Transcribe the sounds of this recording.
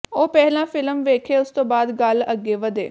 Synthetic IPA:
oːpɛɦlãːfʰɪləmʋeːkʰeːʊst̪õːbaːd̪ɡələɡːeːʋəd̪eː

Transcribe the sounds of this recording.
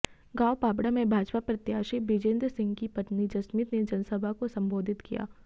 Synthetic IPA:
ɡaːwpaːbɽamẽbʱaːd͡ʒpapɾɐt̪jaːʃibid͡ʒẽːnd̪ɾsɪ̃ŋɡkipɐʈ̪nid͡ʒɐsmit̪ned͡ʒɐnsəbʱakosɐ̃mboːd̪ʱɪt̪kija̰ː

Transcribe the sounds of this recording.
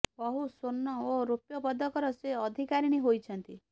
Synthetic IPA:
bɔɦusonːɔoɾopjɔpɔd̪ɔkɔɾɔseɔd̪ʱikaɾiñiɦojt͡ʃʰɔnt̪i

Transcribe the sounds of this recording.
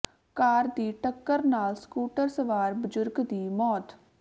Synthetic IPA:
kaːɾd̪iːʈəkːəɾnaːlskuːʈəɾsəʋaːɾbəzʊɾɡd̪iːmɔːt̪

